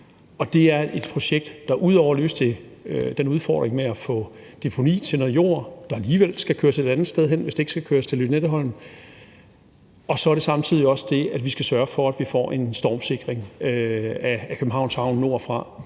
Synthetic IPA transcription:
ɒ̽d̥e̝æɐʔe̝d̥pʰʁo̝ɕeɡ̥̚d̥ːɑ̈ʔuð̞̰ˠɒʊ̰ɐlø̰ːsd̥t͡sʰe̝d̥enuðˠfɒ̰ːd̥ʁeŋmeæfɔ̽ | d̥e̝pʰo̝nḭːt͡sʰenoðˠjo̝̰ɐ̰d̥ɑ̈æliːʋel̰sɡ̥ækʰøːɐse̝ɾ̥ænð̩ˠsd̥eð̞ˠɦen̰ʋe̝sd̥e̝e̝ɡ̥sɡ̥ækʰøːɐst͡sʰe̝lyd̥ned̥əɦɒ̽l̰n̩ | ɒ̽sɒ̽æɐɾ̥e̝sɑ̈mt͡sʰið̞̰ˠiɒ̽sd̥e̝æd̥ʋisɡ̥æsɶɐfɒ̽æd̥ʋifɒ̰ːʔe̝nsd̥ɒ̰ːmse̝ɡ̥ʁeŋøæækʰøb̥m̩ɦɑ̈ʊnshɑ̈ʊ̰nːo̝ɐ̰fʁɑ̈

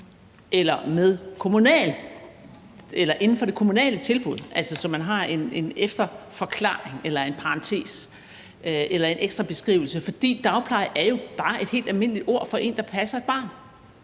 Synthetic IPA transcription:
ʔelɐmeðˠkʰo̝munɛ̰l | elɐʔe̝nn̩fɒ̽ɾ̥e̝kʰo̝munɛ̰ːlət͡sʰe̝lb̥uð̞ˠʔælsəsɒ̽mːænɦɑ̈e̝ne̝nefd̥ɐfɒ̽kʰlɑ̰̈ːeŋelɐe̝npʰɑ̈ʁɑ̈nt͡sʰe̝̰ːs | ʔelɐe̝nʔeɡ̥sd̥ʁɑ̈b̥e̝sɡ̥ʁḭːʊl̩səfɒ̽d̥ḭːd̥ɑ̈ʊpʰlɑ̈ɪæɐjo̝b̥ɑ̈ːe̝d̥he̝̰ːld̥ælme̝n̰əlid̥o̝ɐ̰fɒ̽ʔe̝̰ːnd̥ɑ̈pʰæsɐe̝d̥̚b̥ɑ̰̈ːn

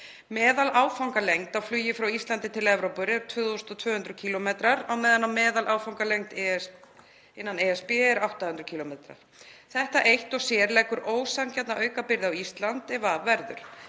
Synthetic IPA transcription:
mɛːðalaːwfawŋkalejŋt̪awflʏːjɪfɾawist̪lant̪ɪt̪ʰɪlɛvɾowpʏɾɛɾt̪ʰvʏːðost̪ɔt̪ʰvœːhʏnɾʏcʰiːlɔmeːt̪ɾaɾawmɛːðanːamɛːðalʔaːwfawŋkalejŋt̪ | ɪnːaneɛspɪɛɾawht̪ahʏnt̪ɾʏcʰiːlɔmeːt̪ɾa̰ɾ̥θɛht̪aʔejht̪ɔɣsjɛːɾlɛkʏɾʔoːwsancɛt̪naʔœːɥkapɪɾðawist̪lant̪ɛvavɛɾðʏɾ̥

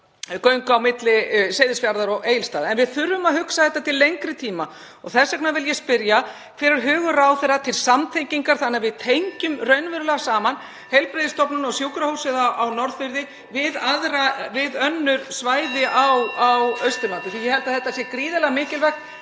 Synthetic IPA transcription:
kœɥŋkawmɪt̪lɪsejðɪsfjaɾðaɾɔɣʔeːjlst̪aːðɛnvɪðθʏɾvʏmaðhʏksaθɛht̪ːat̪ʰɪlːejŋkɾɪt̪ʰiːma | ɔɣθɛsːakʰnavɪljɛspɪɾja | kʰvɪɾɪɾ̥ɦʏːɣʏɾawθɛɾat̪ʰɪlsamt̪ʰejɲciŋkaɾ̥θanːavɪðt̪ʰejɲcʏmrœɥnvɛɾʏlɛɣasaːman | hejlpɾejðɪst̪ɔpnʏnɔɣsjoːwkɾahowsɪðaawnɔɾðfɪɾðɪ | vɪðaðɾavɪðœnːʏɾ̥svaːjðɪʔawawœɥst̪ɪɾlant̪ɪθijɛhɛlt̪aðθɛht̪ːasjɛkɾiːðalɛɣamɪːcɪlvɛxkn

